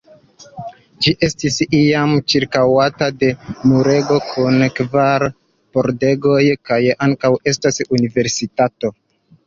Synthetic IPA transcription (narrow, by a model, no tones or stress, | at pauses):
d͡ʒiʔe̞stisiamt͡ʃiɾkawatade̞muɾe̞ɡo̞kʰunkvaɾ | po̞ɾde̞ɡo̞jkajaŋkawe̞stasunive̞ɾsitato̞